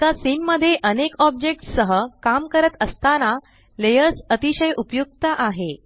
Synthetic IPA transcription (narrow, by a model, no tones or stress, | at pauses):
t̪asinməd̪ʱːjeʔənekɔb̚d͡ʑek̚ʈsəɦəkamkəɾət̪əst̪ana | lejəɾsət̪iɕəjʔupjuk̚t̪aʔaɦe